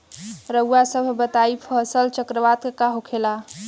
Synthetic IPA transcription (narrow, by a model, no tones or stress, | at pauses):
ɾəwasəbʱbət̪aipʰəsəlt͡ʃəkɾəʋat̪kekaɦokʰela